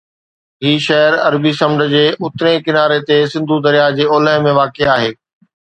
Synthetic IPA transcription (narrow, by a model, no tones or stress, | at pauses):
ɦiːʃɐɦəɾɐ̰ɾbisɐ̃mɖə̆d͡ʑeːʔʊt̪ɪɾẽkɪnaːɾet̪esɪ̃nd̪ʱud̪ɐɾijad͡ʑeːoːləɦmẽʋaːkeaːɦeː